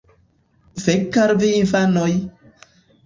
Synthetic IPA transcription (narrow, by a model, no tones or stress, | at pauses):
vekːaɾviinfanoj